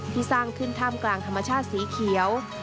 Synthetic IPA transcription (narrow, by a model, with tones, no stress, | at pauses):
t̪ʰiː˧˩saː˥˩ŋkʰɯ˧˥˩nt̪ʰaː˧˥˩mklaː˨˩ŋt̪ʰmːa˧t͡ɕʰaː˥˩t̪̚siː˩˦kʰi˩˦əw